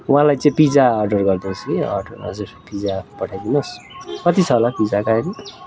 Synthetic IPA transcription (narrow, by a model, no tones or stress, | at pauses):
wãlajt͡saĩpid͡zaːrɖʌrɡʌrd̪inskiʌ̰rɖʌrnʌ̰sespid͡zapʌʈʰajd̪inʌs | kʌt̪it͡sʰʌɦolapid͡zakaɾi